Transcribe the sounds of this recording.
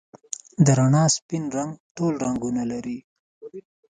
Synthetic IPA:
d̪əɾaɳɑspinɾaŋɡʈolɾaŋɡunalaɾi

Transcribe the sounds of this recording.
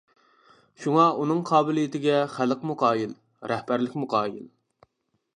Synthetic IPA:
ʃuŋɑunɨŋqʰɑːbɪlijit̪ʰɪɡʲɛχæləqmuqʰɑːjil | ɾɛhbæɾlɪkʲmuqʰɑːjḭl

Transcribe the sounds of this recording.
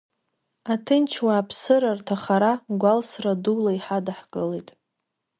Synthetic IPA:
atʰɨnt͡ʃʰwaːpʰsɨɾartʰaχaɾaɡʷalsradulaiħadaħkʼɨlejtʼ

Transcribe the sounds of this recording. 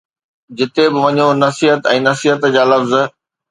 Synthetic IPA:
d͡ʑɪt̪ebɪʋɐɲonɐsiːɦət̪ɛ̃ːnɐsiɦət̪d͡ʑaːlɐfz

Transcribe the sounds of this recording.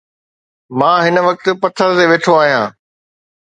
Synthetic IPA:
mãːɦɪnə̆ʋɐk̚t̪̆pɐt̪ʰːəɾt̪eʋeːʈʰoaːɦijãː

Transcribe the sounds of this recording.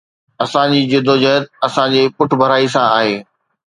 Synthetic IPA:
ɐsãd͡ʑiːd͡ʑʊd̪ʱod͡ʑɐɦət̪̚ɐsãd͡ʑeːpʊʈʰbʱɐɾaːisãaːɦeː

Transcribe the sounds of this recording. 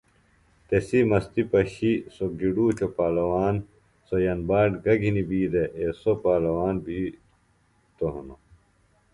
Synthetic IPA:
t̪esimɐst̪ipɐɕisok̚d͡ʑiɖuːt͡ɕʰopaːlɐwaːn | sojɐnbaːʈɡɐɡʱinibiːd̪eʔesopaːlɐwaːnbʱiː | t̪oɦɐno

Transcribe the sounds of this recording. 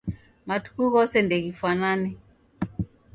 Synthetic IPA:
matu̥kuɣɔsɛndɛɣifwanani

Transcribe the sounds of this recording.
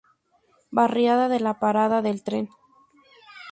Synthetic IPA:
barjaðaðelapaɾaðaðe̞lt̪ɾe̞n

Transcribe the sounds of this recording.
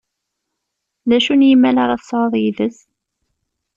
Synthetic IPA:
ðæʃunjəmːælaɾˤɑθə̥sˤʕoðˤjiðəs

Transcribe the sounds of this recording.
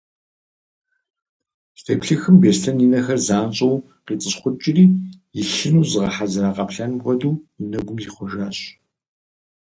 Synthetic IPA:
stʰeːpɬɨxɨmbeːstʰɐninɐxɐrzaːnt͡ʃʼɐw | qiːt͡sʼɨsχʷʊt͡ʃʼɪriːjɪɬɪnuːzɨʁɐħazɨɾaːqɐpɬɐnʁʷɔduːnɐɡʷʊmjiχʷɔʒaːɕ

